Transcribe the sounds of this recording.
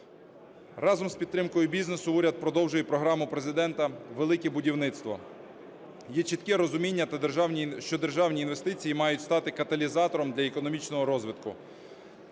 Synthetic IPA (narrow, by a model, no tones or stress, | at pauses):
rɑzɔmspʲid̪̚t̪ɾɪmkɔjʊbʲiznesʊuɾʲɐd̪̚pɾɔd̪ɔwʒʊjɛpɾɔɦɾɑmʊpɾezɪd̪ɛnt̪ɐʋelˠɪkɛbʊdʲiwnɪt̪st̪ʋɔ̰ | jɛt͡ʃit̪kɛɾɔzʊmʲinʲːɐt̪ɐrʲʃt͡ʃɔd̪erʒɑwnʲiːnʋe̞st̪ɪt͡sʲijimɑjʊtʲst̪ɑt̪ɪkɐt̪ɐlʲizɑt̪ɔɾɔmd̪lʲɐekɔnɔmʲit͡ʃnɔɦɔɾɔzʋɪt̪kʊ